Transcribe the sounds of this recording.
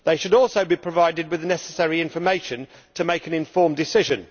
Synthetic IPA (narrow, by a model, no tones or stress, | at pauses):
ðeɪʃəɾɔˑlˠsoʊbipʰɹ̥əvaɪdɪd̚wɪðnɛsə̥sɛɹiɪ̃ɱfəmeɪʃə̃n | tʰəmeɪkɨ̃nɪ̃ɱfɔːmdɪsɪʒə̃n